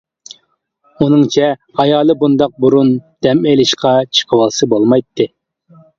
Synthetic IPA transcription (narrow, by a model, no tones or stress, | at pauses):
unɨŋt͡ʃʰɛɑjɑːlˠɨbund̪ɑq̚buɾund̪̥ɛmelɪʃqʰɑt͡ʃʰə̥qʰəwɑlˠsɨbolˠmɑjt̪ʰːɨ